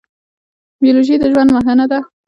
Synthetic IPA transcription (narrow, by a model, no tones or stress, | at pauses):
bijoloʒid̪əʒwand̪məɦanad̪a